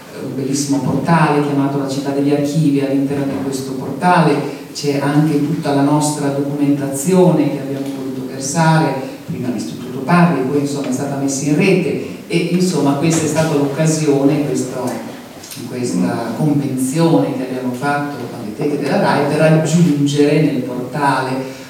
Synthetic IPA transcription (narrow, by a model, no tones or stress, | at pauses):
ṵmbelːisːimoport̪aːlek̟jamaːt̪olat͡ʃit̪ːad̪ːeʎːark̟ʰiːvialːint̪ɛrnod̪ikwest̪oport̪aːle | t͡ʃɛaŋk̟et̪ut̪ːalanɔst̪ɾad̪okument̪at̪sːjoːnek̟eabjaːmovot̪uːt̪oversaːɾe | pɾiːmad̪ist̪ɾut̪ːut̪oparlipɔjinsomːaɛst̪aːt̪amesːainrɛːt̪eeʔinsomːakwest̪aɛst̪aːt̪alokːazjoːnekwest̪o | kwest̪akoɱvent̪sjoːnek̟eabːjaːmofat̪ːoa̰lːet̪ɛk̪ːed̪elːaɾaːjpeɾad͡ʒund͡ʒeɾenelport̪aːle